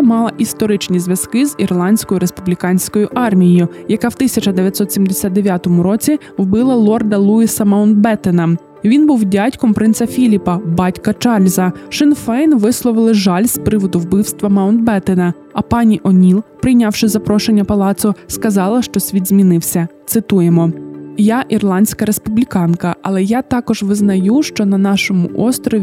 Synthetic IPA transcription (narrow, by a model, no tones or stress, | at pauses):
mɑlˠɐʔist̪ɔɾɪt͡ʃnʲizʋʲjɐzkɪzirlˠɑnʲsʲkɔjʊɾespublʲikɑnʲsʲkɔjʊʔɑrmʲijjʊjɐkɑwt̪ɪsʲɐt͡ʃɐd̪eʋʲjɐt̪ʲsɔt̪ʲsʲimd̪esʲad̪̚d̪e̞ʋʲjat̪ɔmʊɾɔt͡sʲi | ʋbɪlˠɐlˠɔrd̪ɐlˠuisɐmɐwnd̪̚bɛt̪enɐ | ʋʲinbuwdʲatʲkɔmpɾɪnt̪sɐfʲilʲipɐbɑtʲkɐt͡ʃɑlʲzɐʃɪnfɛjnʋɪslˠɔʋɪlˠɪʒɑlʲspɾɪʋɔd̪ʊwbɪwst̪ʋɐmɐʊnd̪bɛt̪enɐ | ɐpɑnʲiʔɔnʲilˠpɾɪjnʲɑwʃɪzɐpɾɔʃenʲːɐpɐlˠɑt̪sʊskɐzɑlˠɐʃt͡ʃɔsʲʋʲid̪zʲmʲinɪwsʲɐt̪sɪt̪ujemɔjɑʔirlˠɑnʲsʲkɐɾespublʲikɑnkɐʔɐlˠɛjat̪ɑkɔʒʋɪznɐjuʃt͡ʃɔnɐnɑʃɔmʊ̰ʔɔst̪ɾɔʋʲ